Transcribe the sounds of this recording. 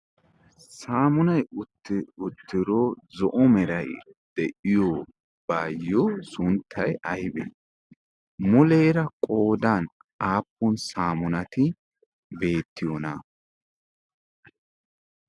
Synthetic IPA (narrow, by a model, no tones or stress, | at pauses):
saːmʊnɐjʊt̪ːɪʊt̪ːɪɾɔzɔʔɔmɛɾɐj | d̪̥ɛʔɪjoː | baːjːɔsʊnt̪ʰːɐjɐjbɛ̰ | mʊle̞ːɾɐkʼo̞ːd̪an | aːpːʊnsaːmʊnɐt̪ɪ | be̞ːt̪ːɪjɔnɐ